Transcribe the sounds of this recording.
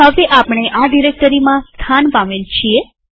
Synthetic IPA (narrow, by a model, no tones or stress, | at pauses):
ɦəʋeʔapɳ̃eʔaɖiɾek̚ʈəɾimãst̪ʰanpãmelt͡ʃʰie